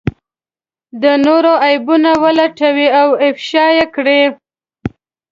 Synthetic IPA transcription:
d̪ənoɾoajbunawəlaʈawiawɪfʃɑjekɽe

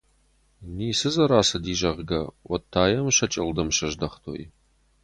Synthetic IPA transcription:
niːsɨzɐɾaːsɐdiːʒɐʁɡɐwɐtʰːaːjɐmʃɐt͡ʃʼɪldɐmʃɐʒdɐχtʰo̰ːʔḭ

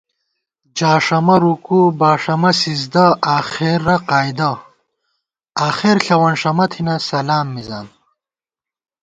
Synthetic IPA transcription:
d͡ʑaːʂɐmɐɾukubaːʂɐmɐsizd̪ɐaːxeɾːɐqaːjd̪ɐ | aːxeɾɬɐwɐnʂɐmɐt̪ʰinɐsɐlaːmːizaːn

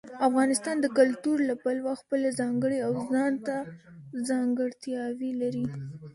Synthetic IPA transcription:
afɣɑnɪst̪ɑnd̪əkʊlt̪uɾlapalwaxpəlazɑŋɡəɽeawzɑnt̪azɑŋɡəɽt̪jɑwilaɾi

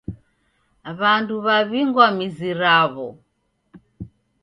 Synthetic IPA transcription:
βanduβaβiŋɡwamiziɾaβɔ

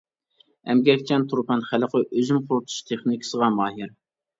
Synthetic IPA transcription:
ɛ̰mɡʲɛkʲt͡ʃʰɛnt̪ʰuɾpɑnχæləqəʔøzymqʰʊɾt̪ʰu̥ʃt̪ʰeχnikʲʰsəʁɑmɑːɦiɾ

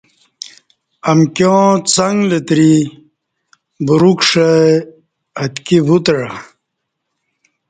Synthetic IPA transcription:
amkjõt͡saŋɡlet̪ɾi | buɾukʂe | ɐt̪kibut̪ɻa

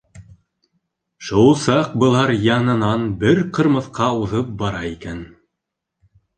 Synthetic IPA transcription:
ʃulˠsɑq̚bɤ̆lˠɑɾjɑnɤ̆nɑnbɘɾqɤ̆ɾmɤ̆θqɑuðɤp̚bɑɾɑikæn

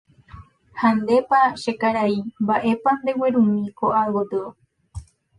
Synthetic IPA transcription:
hand̪e̞paʃekaɾaimbaʔe̞pand̪e̞weɾũmĩkoʔawod̪ɨo

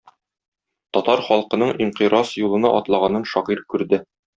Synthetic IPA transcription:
t̪ɒt̪ɑɾχɒlˠqɤ̆nɤɴʔiɴqiɾɑsjulˠɤ̆nɑʔɒt̪lˠɑʁɑnɤnʃɒʁiɾkʉɾd̪ɘ

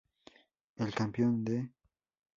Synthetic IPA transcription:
elkampjond̪e

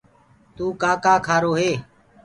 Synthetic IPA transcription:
t̪uːkaːkaːkʰaːɾoːɦeː

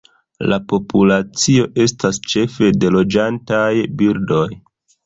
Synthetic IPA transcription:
lapo̞pulat͡sio̞ʔe̞stast͡ʃe̞fe̞de̞lo̞d͡ʒantajbiɾdo̞j

